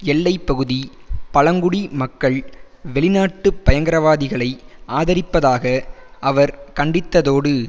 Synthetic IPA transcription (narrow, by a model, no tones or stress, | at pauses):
ɛɭːɐɪpːɐɣɯðipɐɭɐŋɡʊɽimɐkːɐɭʋɛɭɪnaːʈːɯpːɐjɐŋɡɐɾɐʋaːðɪɣɐɭɐɪʔaːðɐɾɪpːɐðaːɣɐʔɐʋɐɾkɐɳɖɪt̪ːɐðoːɽɯ